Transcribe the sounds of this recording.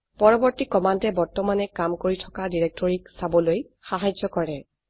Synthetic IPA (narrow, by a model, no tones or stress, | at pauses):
pɔɹɔbɔɹtikɔmantɛbɔɹtɔmanɛkamkoɹitʰɔ̥kadiɹɛk̚tɔɹiksabɔloj | xaɦajd͡ʒɔkɔɹɛ